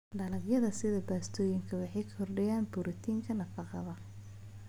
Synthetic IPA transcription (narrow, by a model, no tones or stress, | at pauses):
d̪ɐlɐɡjɐðɐsɪðɐbaːst̪ʰɔːjɪŋkʰɐwɑħɑjkʰɐ̥hɔrɖɐjaːnbʊɾʔɐt̪ʰiːŋkʰɐnɐfɑqɑ̰ðɐ